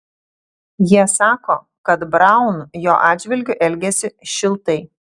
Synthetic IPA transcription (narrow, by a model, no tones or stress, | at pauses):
jiɛsɑːkoː | kɐt̪bɾɑˑʊnjoːʔɑːd̪ʲd͡ʒʲʋʲɪlʲɡʲʊʔɛlʲɡʲɛsʲɪʃʲɪlˠt̪ɐɪ